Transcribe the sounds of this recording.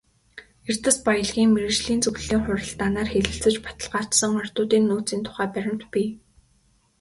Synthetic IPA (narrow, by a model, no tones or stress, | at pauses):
ert̪ɘ̆spajə̆ɮɣiːŋmeɾɘ̆t͡ɕɮiːnt͡sɵɣ̆ɮiːŋχʊɾʲə̆ɮt̪aːnaːrxeɮɘ̆ɬt͡sɘ̆t͡ɕpḁt̪ə̆ɮɢḁːt̪sə̆ŋʊr̥ʲt̪ʊːt̪iːnːuːt͡siːnt̪ʰʊ̥χæːpæɾʲɪ̆m̥t̪pʲiː